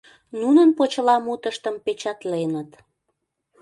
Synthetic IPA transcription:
nunənpot͡ɕəlɑmut̪əʃt̪əmpet͡ɕɑt̪lenət̪

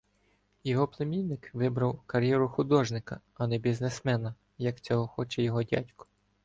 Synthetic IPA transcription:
jɔɦɔplˠemʲijnɪkʋɪbɾɐwkɐɾʲjɛɾʊxʊd̪ɔʒnɪkɐ | ɐnɛbʲiznesmɛnɐ | jɐkt͡sʲɔɦɔxɔt͡ʃɛjɔɦɔdʲa̰tʲkɔ̥

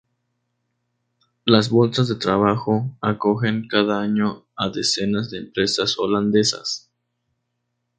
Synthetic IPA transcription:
lazβo̞lsazðe̞t̪ɾaβaxo̞ako̞xe̞ŋkaðaaɲo | aðe̞se̞nazðeːmpɾe̞sasoland̪e̞sa̰s

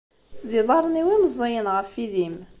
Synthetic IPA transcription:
ðɪðˤɑɾˤəniwimzˤːijənʁəfiðim

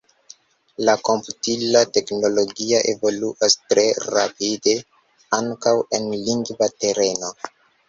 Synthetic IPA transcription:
lako̞mputilate̞kno̞lo̞ɡiaʔevo̞luʔastɾe̞ɾapide̞ | aŋkawenliŋɡvate̞ɾe̞no̞

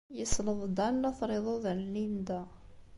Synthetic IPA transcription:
jəsləðˤd̪ænːæθɾˤeðˤoðənlind̪a

